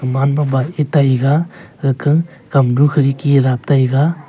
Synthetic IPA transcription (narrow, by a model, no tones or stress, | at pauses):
manmabaetajɡaɯkʰɯ | kamdukʰɯɾikiɾap̚tajɡa